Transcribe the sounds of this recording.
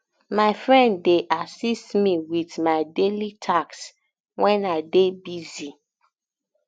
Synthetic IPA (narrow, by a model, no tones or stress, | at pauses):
maɪfɹɛ̃ndːeʔasistmiwiðmaɪdelitʰaks | wɛ̃naɪdebizi